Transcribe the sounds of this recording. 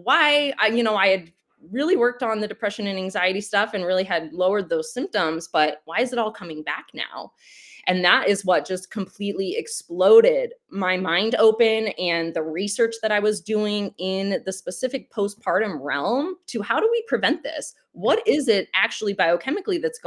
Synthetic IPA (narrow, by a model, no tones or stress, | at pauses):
waɪajɨñoʊaɪɨd̚ | ɹɪlˠiwɜ˞k̚tn̩ðɨdɨpʰɹ̥ɛʃɨ̃nɨ̃næ̃ŋzaɪɨɾistʌfɨ̃nɹɪlˠiɨdloʊə˞d̪̚ðoʊz̥sɪ̃mp̚tə̃mzb̥ʌt̚waɪɨzɨɾɔlˠkʰʌmɪ̃ŋbæ̰kna̰ʊ | ʔɨ̃nðəɾʔɪzwʌt̚d̥ʒ̥ʌskʰm̩pʰl̥itˡliɨksploʊɾɪd̚maɪmãɪ̃ndoʊpɨ̃nɨ̃nðɨɹisɜ˞t͡ʃðɨɾaɪwʌzduɪ̃ŋɪ̃nðɨspɨsɪfɨk̚pʰoʊst̚pʰɑɹɾɨ̃nɹɛ̰lˠmtʰɨhaʊɾəwipʰɹ̥ɨvɛ̃nðɪ̰s | wʌɾɪzɪɾ̚ʔæk̚t͡ʃul̩ˠibaɪoʊkʰɛmɨkliðɨtsɡ̥